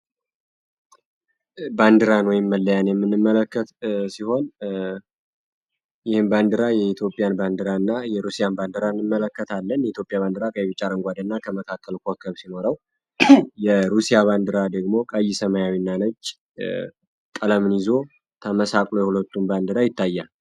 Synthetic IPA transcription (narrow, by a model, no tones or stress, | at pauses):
band̪ɨɾanwɔjɪmːəlːəjanjɛmːɨnːɨmːələkːət̪siho̞n | jɪhɨmband̪ɨɾajɛit̪ʰjo̞pʼijanband̪ɨɾaɨnːajɛɾusijanband̪ɨɾanːɨmːələkːət̪ʰalːənjit̪ʰjo̞pʼjaβand̪ɨɾakʼəjɛβɨt͡ʃʼːaɾəŋɡʷad̪ɨnːakʰəməkʰakʰːəlkʷʰokʰəβsino̞ɾəw | jɛɾusijaβand̪ɨɾad̪əɡmo̞kʼəjːisəmajawinːanət͡ʃː | kʼələmɨnizo̞ | t̪ʰəməsakʼlo̞jɛhulət̪ːumband̪ɨɾajɪt̪ʰːajːa